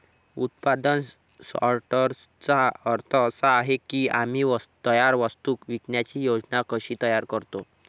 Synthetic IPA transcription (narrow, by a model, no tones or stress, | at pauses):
ṵt̪pad̪ən | sa̰ɾʈəɾ | t͡saəɾt̪ʰəːsaːɦekiːam̤iːʋət̪ːəjaɾʋəst̪uːkʋikɳjat͡ɕiːjod͡znakəɕiːt̪əjaɾkəɾt̪o